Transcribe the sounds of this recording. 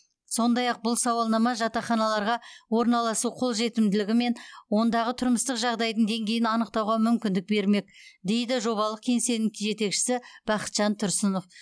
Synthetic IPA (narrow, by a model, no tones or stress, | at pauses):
so̞nd̪ɑjɑq̚bʊlˠsɑwɑlˠnɑmɑʒɑt̪ɑχɑnɑlˠɑɾʁɑwo̞ɾnɑlˠɑsuqʰo̞lˠʒe̞t̪ɪmd̪ɪlɪɡʲɪme̞nwo̞nd̪ɑʁət̪ʰʊɾməst̪əqʒɑʁd̪ɑjd̪əɴd̪e̞ŋɡʲe̞jɪnɑnəq̚t̪ɑwʁɑmʏmkʲɪnd̪ɪk̚be̞ɾme̞k̚d̪e̞jd̪ɪʒo̞βɑlˠəq̚kʲʰe̞ŋse̞nɪʒe̞t̪e̞kʃɪ̥sɪb̥ɑqə̥t̪ʒ̥ɑnt̪ʰʊɾsɪno̞f